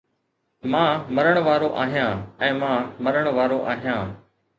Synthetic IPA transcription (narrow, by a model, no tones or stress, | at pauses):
mãːməɾəɳ̃ʋaːɾoːʔaːɦijãːɛ̃ːmãːməɾəɳ̃ʋaːɾoːʔaːɦijãː